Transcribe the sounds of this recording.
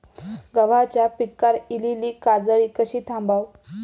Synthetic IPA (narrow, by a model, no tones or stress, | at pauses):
ɡəʋ̤at͡ɕjapikːaɾililiːkad͡zəɭiːkəɕiːt̪ʰãmbaw